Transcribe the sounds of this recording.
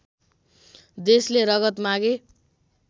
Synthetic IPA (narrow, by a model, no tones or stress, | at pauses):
d̪esleɾʌɡʌt̪maɡe